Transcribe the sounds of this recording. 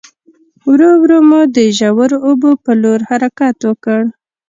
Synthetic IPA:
wɾowɾomod̪əʒawəɾoobopəloɾhaɾakat̪wəkəɽ

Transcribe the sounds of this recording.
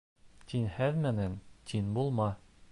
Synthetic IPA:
t̪inhæðmænænt̪ʰinbulˠmɑ

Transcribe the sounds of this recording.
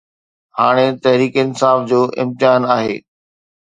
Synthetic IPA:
haːɽ̃et̪ɐɦɾiːkɪnɪ̆saːfd͡ʑoːʔɪ̰̃mt̪ɪaːnaːɦḛː

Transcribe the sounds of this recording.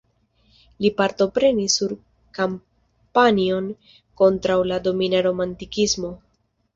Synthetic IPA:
lipaɾto̞pɾe̞nisːuɾ | kam | panio̞n | ko̞ntɾawlado̞minaɾo̞mantikizmo

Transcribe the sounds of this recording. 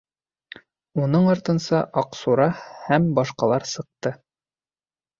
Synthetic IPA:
unɤɴɑɾt̪ɤ̆nsɑʔɑqsuɾɑhæmbɑʃqɑlˠɑɾsɤ̆q̚t̪ɤ

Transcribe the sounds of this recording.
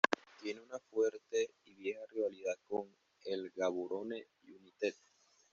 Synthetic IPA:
t̪jeneunafweɾt̪eiβjexariβaliðakoŋ | elɡaβuɾone | junit̪et̪̚

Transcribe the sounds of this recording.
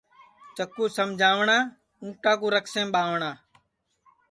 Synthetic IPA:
t͡ʃəkuːsəmd͡ʒʱaːʋɳaː | ũːʈaːk̬ũːɾəksẽːmɓaːʋɳaː

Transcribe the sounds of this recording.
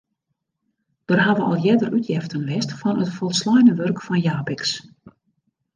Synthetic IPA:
d̥ərɦaʋəʔɔ̰lˠjɛdərytʰjɛftənʋɛstfɔnətfɔlˠslɔjnəʋørkfɔnjaːbɪks

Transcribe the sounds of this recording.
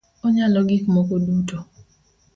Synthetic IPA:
ɔɲalɔɡɪkmɔkoduto

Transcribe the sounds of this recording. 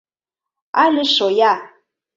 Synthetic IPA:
aləʃɔja

